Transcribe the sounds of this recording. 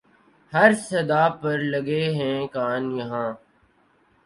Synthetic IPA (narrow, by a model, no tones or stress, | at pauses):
həɾsəd̪aːpəɾləɡeːɦɛ̃ːkaːnjɐɦãː